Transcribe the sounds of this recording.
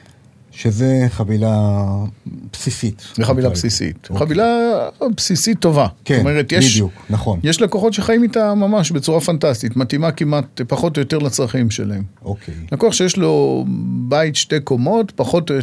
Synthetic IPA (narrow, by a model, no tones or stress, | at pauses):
ʃezeχavila | psisit̪zeχavilapsisḭtχavilapsisitːo̞vasktoomeʁetjeʃdjuknaχonjeʃlako̞χo̞tʃeχajimitamamaʃbet͡suʁafantastitmatimakimʔatpaχo̞tojo̞te̞ʁlat͡sʁaχimʃe̞̰laemokʰejlakuaχʃejeʃlo̞baitʃte̞jko̞mo̞tpaχo̞to